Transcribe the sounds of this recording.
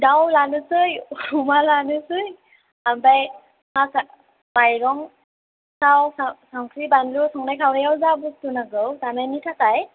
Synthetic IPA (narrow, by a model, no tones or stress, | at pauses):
dawlanɯsɯjumalanɯsɯj | ambaj | ŋasa | majɾɔŋ | sawsasaŋkʰɾibanlusɔŋnajkʰawɾajawzabutunaɡɯwzanajnitʰakaj